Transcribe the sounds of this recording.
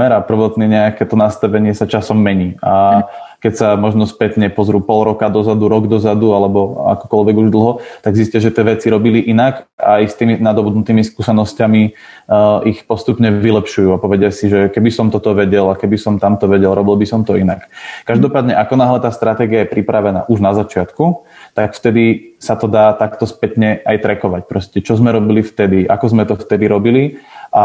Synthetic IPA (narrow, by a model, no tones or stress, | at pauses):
ɛɾapr̩ʋɔt̪niɲɛakɛt̪ɔnast̪aʋɛɲɪɛsat͡ʃasɔmːɛɲiːakɛcsamɔʒnɔspɛt̪ɲɛpɔzɾuːpɔlɾɔkad̪ɔzad̪uɾɔɡd̪ɔzad̪ualɛbɔa̰kɔ̥kɔlʋɛɡuʒd̪l̩ˠɦɔt̪aɡzisciaʒɛt̪ɪɛʋɛt͡siɾɔbiliʔinaka̰jst̪iːminad̪ɔbud̪nut̪iːmiskuːsɛnɔscami | ʔixpɔst̪upɲɛʋilɛpʃujuːapɔʋɛɟɪasiʒɛkɛbisɔmt̪ɔt̪ɔʋɛɟɛlakɛbisɔmt̪amt̪ɔʋɛɟɛlɾɔbilbisɔmt̪ɔinakkaʒd̪ɔpaːd̪ɲɛʔakɔnaːɦlɛt̪aːst̪ɾat̪ɛːɡiajɛpɾipɾaʋɛna̰ːʔuʒnazat͡ʃɪat̪kut̪akft̪ɛd̪isat̪ɔd̪aːt̪akt̪ɔspɛt̪ɲɛajt̪ɾɛkɔʋac̚pɾɔscɛt͡ʃɔzmɛɾɔbilift̪ɛd̪iʔakɔzmɛt̪ɔft̪ɛd̪iɾɔbiliʔa